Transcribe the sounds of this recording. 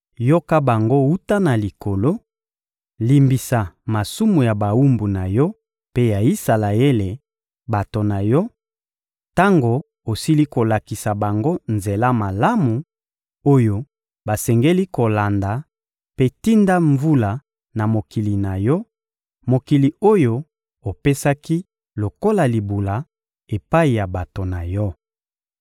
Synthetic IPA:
jo˦ka˦ba˨ŋɡo˦u˦ta˦na˨li˨ko˨lo˦ | li˨mbi˨sa˨ma˨su˦mu˨ja˨ba˨wu˦mbu˨na˨jɔ˦ | pe˦ja˨i˦sa˨la˨e˦le˨ | ba˨to˨na˨jɔ˦ | ta˦ŋɡo˨ | o˨si˦li˦ko˨la˨ki˨sa˨ba˨ŋɡo˦nze˨la˦ma˨la˦mu˨ | o˦jo˦ | ba˨sɛ˨ŋɡe˦li˦ko˨la˨nda˨ | pe˦ti˦nda˦ɱvu˦la˨ | na˨mo˨ki˨li˨na˨jɔ˦ | mo˨ki˨li˨o˦jo˦ | o˨pe˦sa˦ki˦ | lo˨ko˦la˨li˨bu˨la˨ | e˨pa˦i˨ja˨ba˨to˨na˨jɔ˦

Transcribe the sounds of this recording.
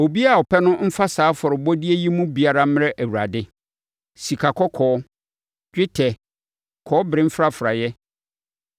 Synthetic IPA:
o˨bi˦a˨ɔ˨pʰɛ˦nʊ̃˦m̩˦fa˦saː˨˦fɔ˨ɾɪ˨bɔ˦di˦e˦ji˦mũ˦bi˨a˨ɾa˦m̃˦ɾɛ˦ʔæ˨wu˨ɾa˨dɪ˦ | si˨kʰa˨kʰɔ˦kʰɔː˨˦ | d͡ʒᶣɪ˦tʰɛ˨ | kʰɔː˨˦bɾɪ̃˦m̩˦fɾa˦fɾa˨jɛ˦

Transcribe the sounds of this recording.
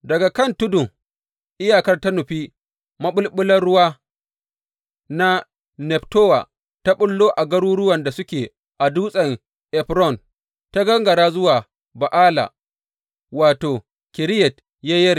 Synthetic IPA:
dɐ˨ɡa˨kɐ˦˨ntʊ˦dʊ˨ŋ | ʔɪ˦jaː˦˨kɐ˦rta˦nʊ˨ɸiː˦ | mɐ˦ɓʊ˦lɓʊ˦lɐ˦rɽʊ˦waː˦ | na˦ | nɛ˨ptoː˦wa̰˨ | ta˦ɓʊ˦lːoː˦ʔa˨ɡɐ˦ɽuː˦ɽʊ˦wɐ˨nda˨sʊ˦kʲeː˨ | ʔa˨duː˦sʼɐ˨ŋ | ʔɛ˨ɸɾɔ˦˨n | ta˦ɡɐ˦ŋɡɐ˨ɾaː˦zʊ˦waː˨ | ba˨ʔaː˦la̰˨ | waː˨toː˨ | kʲɪ˨ɾɪ˦jɛ˨t | ja˦jɐ˦ɾi˨

